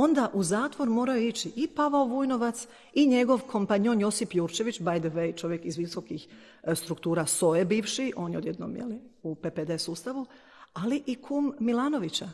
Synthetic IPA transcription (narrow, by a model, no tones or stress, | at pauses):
o̞nd̪aʔuzaːt̪ʋo̞ɾmo̞ːɾajoit͡ɕiʔipaʋaoʋujno̞ʋat̪s | iɲe̞ɡo̞ʋkʰo̞mpaɲo̞njo̞sipjuːɾt͡ʃe̞ʋit͡ɕbajd̪ʋejt͡ʃo̞ʋje̞kizʋiso̞kix | st̪ɾukt̪uːɾaso̞jebiːʋʃiʔo̞ːnjeod̪je̞d̪no̰mjḛliupeped̪e̞suːst̪aʋu | aliʔikʰumːilˠaːno̞ʋit͡ɕa